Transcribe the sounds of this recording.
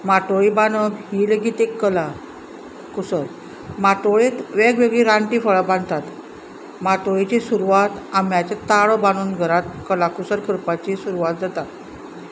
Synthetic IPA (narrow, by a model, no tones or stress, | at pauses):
maʈoɭibanəbɦileɡiːt̪ekːəla | kusəɾ | maʈoɭet̪ʋeɡʋeɡɭiɾaɳʈifəɭabãnʱt̪at̪ | maʈoɭit͡ɕesuɾuʋat̪amjat͡ɕet̪aɭəbanuːnɡʱəɾat̪̚kəlakusəɾkəɾpat͡ɕisuɾuʋat̪̚d͡zat̪at̪